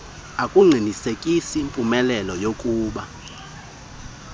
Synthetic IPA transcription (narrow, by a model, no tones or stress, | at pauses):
akʼuŋ͡ǀʱinisekʼisiːmpʼumɛlɛlɔjokʼuːɓa